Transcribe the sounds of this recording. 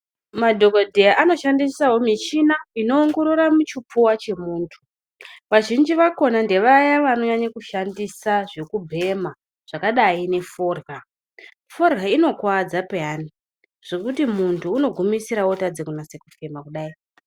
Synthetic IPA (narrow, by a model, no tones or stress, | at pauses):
madʱo̞ɡodʱejaʔano̞ʃandisaɦo̞miʃinaino̞ːŋɡo̞ɾoɾamut͡ʃipuwat͡ʃe̞muːntʰu̥ | ʋaʒind͡ʒiʋako̞nande̞ʋajaʋano̞ɲaɲakuʃandisaʐe̞kubʱe̞ma | ʐ̥akaɗaine̞fo̞ːrɡa | fo̞rɡaino̞kwad͡zapeani | ʐ̥e̞kutimuntʰuːno̞ɡʱumisiɾawotad͡zekunaseku̥femakuɗaːi